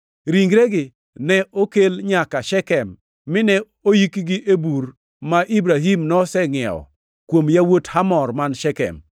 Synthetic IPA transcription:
ɾiŋɡɾeɡɪ | nɛʔokelɲakaʃɛkɛmː | ɪnɛ | ojikɡɪʔebuɾ | maʔibɾaɦimnɔsɛŋɛ̰ɔ̰ | kwomjawothamɔrmanʃɛkɛ̰m

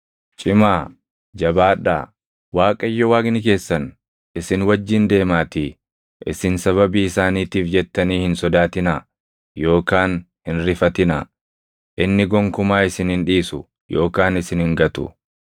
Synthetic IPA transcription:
t͡ʃʼɪmaː | d͡ʒɐbaːᶑːa̰ː | waːkʼɐjːɔwaːɡnɪke̞ːsːɐn | ʔɪsɪnwɐd͡ʒːɪnd̪e̞ːmaːt̪i | ʔɪ̰sɪnsɐβɐbiːɪsaːniːt̪iːfd͡ʒɛt̪ːɐniːhɪnsɔd̪aːt̪ɪna | jo̞ːkaːn | hɪnɾɪfɐt̪ɪnɐ̰ | ʔɪnːɪɡɔŋkʊmaːɪsɪnhɪnᶑiːsʊ | jo̞ːkaːnɪsɪnhɪŋɡɐt̪ʊ̰

